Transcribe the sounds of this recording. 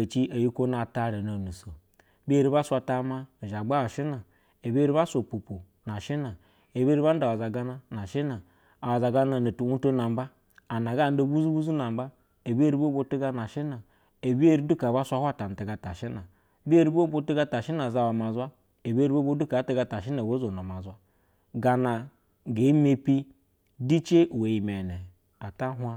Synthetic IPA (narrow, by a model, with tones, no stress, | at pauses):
t͡ʃi˦ʔa˨ji˦ko˦na˨ta˦˨ɾe˨no˨nu˨so˨˦ | bi˦e˦ɾi˦ba˦sʷa˧ta˦ma˦˨ʒa˨ɡ͡ba˦wa˨ʃi˦na˨ | e˨be˦ɾi˦ba˦sʷo˨pu˨pu˨ | na˨ʃi˦na˨ | e˨bɾi˦ba˦n̩˦da˨a˨za˨ɡa˦na˦na˨ʃi˦na˨ | a˨wa˨za˨ɡa˦na˨na˨tu˨u˦to˦na˨m˦ba˦ | a˨na˨ɡa˦˨n̩˦do˦˨bu˦zu˦bu˦zu˦na˨m̩˦ba˦ | e˨be˦ɾi˦bo˦bo˦ti˦ɡa˦na˨ʃi˦na˨ | e˨bi˦e˦ɾi˦du˦ka˨ba˦sʷa˦hwa˦˨ta˨n̩˨ti˨ɡa˨ta˨ʃi˦na˨˦ | bi˦e˦ɾi˦bo˦bo˦ti˦ɡa˦ta˨ʃi˦na˨za˦˨wa˨ma˨za˦ | e˨be˦ɾi˦bo˦bo˦du˦ka˨˦ti˦ɡa˦ta˨ʃi˦na˨bo˦zo˨no˨ma˨za˦ | ɡa˨na˨ | ɡe˨˦me˦pi˦ | di˦t͡ʃe˦ʔwe˨ji˨me˨ne˨ | a˨ta˦ɦʷa˦